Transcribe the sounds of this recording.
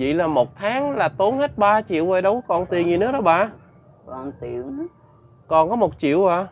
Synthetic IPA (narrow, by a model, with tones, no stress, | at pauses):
vḭ˧˨laː˨˩mo˨˩t̚t̪ʰaː˨˦ŋlaː˨˩t̪o˨˦nhə˦˥t̚ɓaː˧t͡ɕḭ˧˨əwʔə˧˩jɗə˨˦wkɔ˧˨nt̪i˨˩əni˨˩nɨ̰˨˧˥əɗɔ˨˦˥ɓa̰ː˧˨ | ka˧˩nt̪i˧˨əm˦ | kɔ˨˩nkɔ˨˦mo˨˩t̚t͡ɕḭ˧˨əwʔaː˧˨